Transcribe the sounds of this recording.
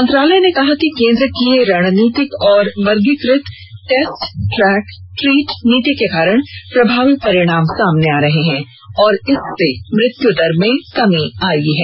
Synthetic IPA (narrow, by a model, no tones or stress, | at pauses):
mɐ̃nt̪ɾaːləjnekɐɦakikẽːnd̪ɾəkieɾaːɽ̃niːt̪ɪkɔːɾʋɐɾɡɪkɾɪt̪ | ʈeːsʈʈɾɛːkʈɾiːʈniːt̪ikekaːɾəɽ̃pɾɐbʱaːʋipɐɾɪɽ̃aːmsaːmneaːɾɐɦeɦɛ̃ː | ɔːɾɪsːemɾɪt̪jud̪ɐɾmẽkɐmĩaːiɦɛː